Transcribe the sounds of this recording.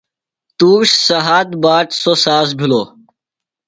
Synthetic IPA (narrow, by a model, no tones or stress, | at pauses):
t̪uːɕsɐɦaːt̪baːʈsoːsaːs̬bʱiloː